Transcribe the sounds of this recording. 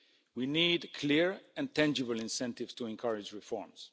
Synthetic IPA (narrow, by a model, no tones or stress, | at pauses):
winiːdkʰliɹɛ̃ntæ̃nd͡ʒɪbəlɪ̃nsɛ̃ntɪvstʰuɛ̃nkʰʌɹɪd͡ʒɹifɔɹms